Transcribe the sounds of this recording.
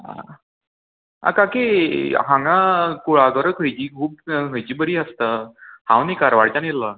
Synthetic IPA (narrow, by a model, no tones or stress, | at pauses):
a̰ | a̰kakeɦãŋɡakuɭaɡəɾəkʰəjt͡ɕiːkʰuːb̚ɦəjt͡ɕiːbəɾiːəst̪əhãwnikaɾʋaɽt͡ɕanelːa